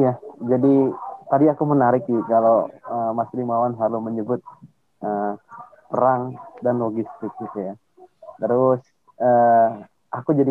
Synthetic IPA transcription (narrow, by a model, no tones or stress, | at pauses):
jad͡ʒadit̪adiakumənaɾɪk̚ɪkaloəmaslimawanɦaluməɲəbʊt̪̚ | ə | pəɾaŋdanloɡist̪ɪk̚ɪt̪uja | t̪əɾʊs | ə | akud͡ʒadi